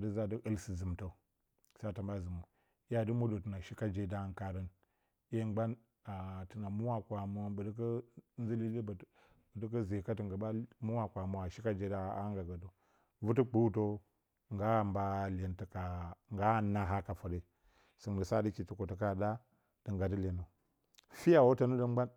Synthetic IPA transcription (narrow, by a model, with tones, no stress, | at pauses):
də˦za˦də˦ʔə˦lsi˨zə˨mta˨ | sa˦˨tə˨mba˦zə˨mu˨ | i˦ja˦də˦mo˦do˨tə˨na˨ʃi˦ka˦d͡ʒe˦da˦ŋka˨ɾə˦n | i˦je˦ɡ͡ba˦n | a˨tə˨na˨mu˦wa˦kʷa˨mo˦bə˨də˦k̬ə˦n˦i˦li˦li˦b | bdə˦k̬ə˦ze˨ka˦tə˨ŋɡa˨ba˦mu˦wa˨kʷa˨mo˨a˨ʃi˦ka˦d͡ʒe˦da˦a˦ŋɡa˨ɡa˨do˨ | vu˦t̬ə˦k͡pu˦u˦t̬o˦ | ŋɡa˦˨mba˦le˨ntə˨ka˨ŋɡa˦˨na˦ɦa˦ka˨fa˨de˨ | sə˨ŋ˨də˨sa˦di˦ki˨tu˨ko˨tə˨ka˦˨da˦ | d̥ə˨ŋɡa˨də˦le˨no˨ | fi˦ja˨wo˦ta˦nə˦də˦m˦a˦n